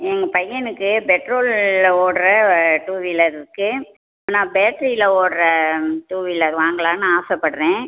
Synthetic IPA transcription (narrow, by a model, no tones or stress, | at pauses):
ɛŋɡɐpɐjːɐnɯkːɯpɛʈɾoːloːɽɐɾɐʈuːʋilɐɾɪɾɯkːɯ | aːnãːbeːʈɾiɪlɐoːɽɐɾɐʈuːʋilɐɾʋaːŋɡɐɭaːnɯaːsɐpːɐɽɯɾẽː